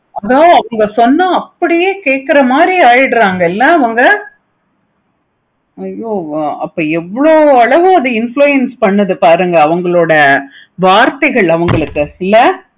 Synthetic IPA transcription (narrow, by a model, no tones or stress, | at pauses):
ɐðaːɐʋɐŋɡɐsɔnːaɐpːɐɽɪjeːkeːʈkːɪɾɐmaːd̪ɾiaːjɪɽɾaːŋɡɐɪlːɐːʋɐŋɡɐ | ɐjoːɐpːoːɛʋːɐɭoːɐɭɐʋɯ̃ɐðɯɪnfɭuːjɛnspɐɳːɐðɯpaːɾɯŋɡɐːʋɐŋɡɐɭoːɽɐ | ʋaːɾt̪ɐɣɐɭɐʋɐŋɡɐɭɯkːɯɪlːɐ